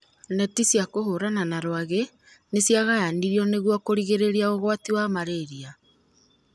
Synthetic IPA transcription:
nɛtisjakohoɾananaɾwaɣe | nesiaɣajandiɾiɔneɣwɔkoɾiɣeɾeɾiaoɣwatiwaːmaɾeɾia

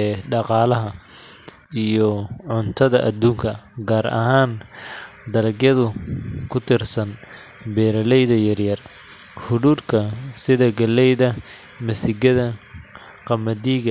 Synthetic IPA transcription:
ɖɑqɑːlɐɦɐ | ijɔʕʊnt̪ʰɐðɐʔɐd̪uːŋkʰɐɡaːɾɐ̰ɦaːn | d̪ɐlɐɡjɐðʊkʰʊt̪ʰɪrsɐn | bɛːɾɐlɛjðɐjɐrjɐr | hʊðuːdkʰɐsɪðɐɡɐlɛjðɐ | mɐsɪɡɐðɐ | qɑmɐd̪iɣɐ

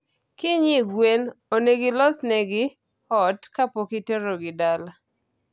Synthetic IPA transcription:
kɪɲɪɡwenoneɡɪlɔsnɛɡɪ | ɔtkapokiteɾoɡɪdala

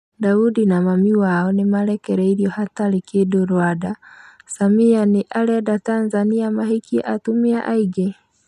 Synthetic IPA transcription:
daudinamamiwaɔnemaɾɛkɛɾɛiɾjɔhatalikedoɾwadasamianeʔaɾɛdatanzaniamaɦikia̰ʔatumiaʔaiɡɛ

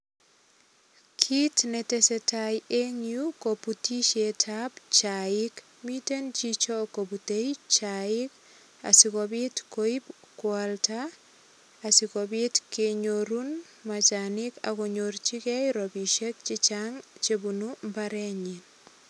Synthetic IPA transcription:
kʰitnɛtɛsɛtajeɲiukoputiʃetʰabt͡ʃaik | mitent͡ʃit͡ʃɔkobutejt͡ʃaik | a̰sikɔbitkoibkwaltaː | sikɔbitkeɲoɾun | mat͡ʃanika̰kɔɲoɾt͡ʃikɛjɾɔbiʃek̚t͡ʃit͡ʃaŋt͡ʃebunumbaɾɛɲin

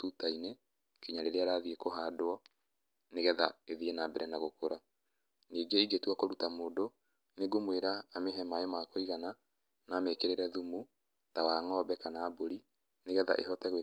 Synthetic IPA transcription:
tutaine | kiɲaɾeɾeaɾaðiekoɦaːdwɔ | neɣɛða̰eðiɛnabɛɾɛnaɣokoɾa | niːɡeiɡetwakoɾutamoːdo | neɡomweɾaːmeɦɛmaemakoiɣana | naːmekeɾeɾɛðumu | tawaŋɔːbɛkanaːboɾi | neɣɛða̰ʔḛɦɔtɛɣwe

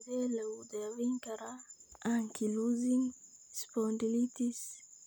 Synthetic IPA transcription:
d̪eleud̪eaviŋkaɾaaŋkʰiluziŋ | spondilit̪is

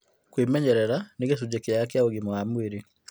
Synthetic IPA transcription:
kwemɛɲɛɾɛɾaneɣes̬ud͡ʑekeaakeaoɣimoamueɾe

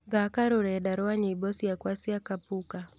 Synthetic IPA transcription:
ɡakaɾuɾɛɗaɾɔaɲiibɔsiakwasiakapuka

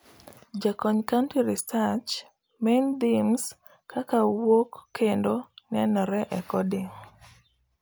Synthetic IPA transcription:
d͡ʒakɔɲkantiɾistat͡ʃ | mend̪ims | kakawokːendonɛnɔɾɛʔɛkɔdiŋ

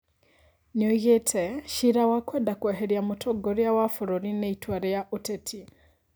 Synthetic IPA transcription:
ɲoɣetʰeʃiɾawakwedakweɦeɾjamutʰoɡoɾjawafuɾoɾineitwaɾejaʔutetʰi

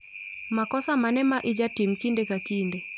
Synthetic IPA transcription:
makɔsamanɛmaʔid͡ʒatim̩kindɛkakindɛ

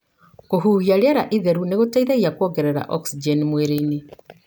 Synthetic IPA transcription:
koɦuːɣiaɾjaɾaʔiðɛɾuneɣotaiðaɣiakwɔŋɡɛɾɛɾa̰ʔɔksid͡ʒenimweɾeine

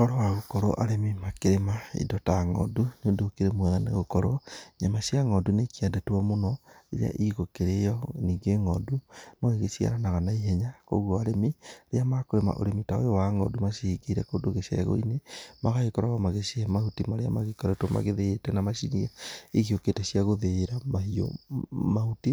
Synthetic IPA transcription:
kɔɾɔwaɣokɔɾɔ̰ʔaɾemimakeɾemaḭdɔtaŋɔ̰dunodokeɾemwaɣanḛɣokɔɾoɲamasjaŋɔdunekiadɛtwɔmonɔeɾḛa̰ʔiɣokeɾejɔniːɡeŋɔdumoɣeɣesia̰ɾanaɣanaiɦɛɲako̰ɣwɔaɾemiɾeamakoɾema̰ʔo̰ɾemitao̰jɔwaŋɔ̰dumaʃiiɡeiɾɛkoːdoɣeʃḛɣo̰inemaɣaekɔɾaɣamaɣeseɛmahutimaɾea̰maɣekɔɾɛtoma̰ɣeðeːtɛnamaʃiniaeɣioketɛɕiaɣoðeːɾamahio̰mahuti

